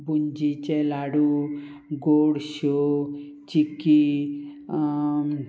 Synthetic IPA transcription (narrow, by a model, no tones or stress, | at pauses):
bund͡ʒit͡ʃelaɽu | ɡoɽʃo | t͡ʃikːi